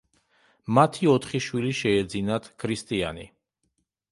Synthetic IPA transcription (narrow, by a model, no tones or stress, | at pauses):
mat̪ʰiɔt̪ʰχiʃwiliʃɛːd̪zinat̪ʰkʰɾist̪ʼia̰ni